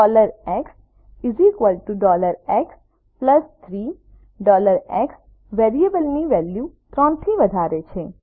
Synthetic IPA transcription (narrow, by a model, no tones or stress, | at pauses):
ɔləɾɛks | izikʋəlʈuɖɔləɾɛks | pləst̪ʰɾi | ɖɔləɾɛks | ʋeɾiebəlniʋɛljut̪ɾɔ̃nt̪ʰiʋəd̪ʱaɾet͡ʃʰe